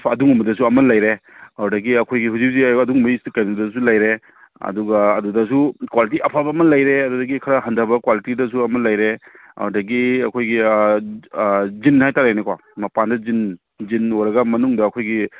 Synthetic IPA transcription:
ɐduŋumɐdɐs̬uɐmɐnlajɾeaɾdɐɡiɐkʰojɡiɦuzip̚ziɐduŋmɐstɐkanidɐs̬ulajɾe | ɐ̰duɡɐːdudɐs̬ukwalit̬iɐpʰabɐːmɐnlajɾeɐdudɐɡikʰɐɾɐɦɐndʱabɐkwalitidɐsuɐmɐnlajɾe | ɐ̰ɾdɐɡiɐkʰojɡi | zinhajtaɾajnekwa̰ | mɐpandɐzin | zinoɾɐɡɐmɐnuŋdɐːkʰojɡi

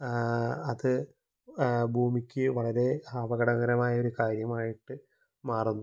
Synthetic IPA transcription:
ɐðɨ | bʱuːmikʲːɨʋɐɭɐɾe̞aːbɐɣɐɽɐɣɐɾɐmaːjɐo̞ɾukaːɾjɐmaːjiʈːɨ | maːrunːu

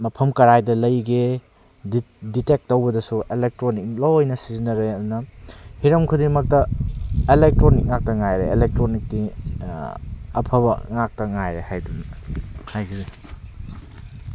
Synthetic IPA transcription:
mɐpʰɐmkɐɾajdɐlɐjɡe | ditek̚tːowbɐdɐsuʔelek̚tɾonik̚lowojnɐsizinɐɾejdunɐhiɾɐmkʰudiŋmɐk̚tɐelek̚tɾonik̚ŋak̚tɐŋajɾeḛlek̚tɾonik̚di | ɐpʰɐbɐŋak̚tɐŋajɾehajdunhajɡiɾe

